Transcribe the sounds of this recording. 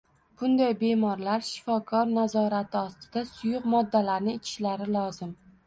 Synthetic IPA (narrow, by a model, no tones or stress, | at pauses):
b̥ʊnd̪ajbe̞mɒɾlaɾʃɪ̥fɒkʰɒɾnazɒɾat̪ʰɪɒst̪ɪd̪asʊjʊqmɒd̪ːalaɾnɪɪt͡ʃʰɪ̥ʃlaɾɪlˠɒzɪm